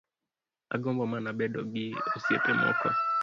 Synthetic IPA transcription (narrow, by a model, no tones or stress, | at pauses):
a̰ɡɔmbɔmanaɓɛɗɔɓiosiɛtɛmɔ̰kɔ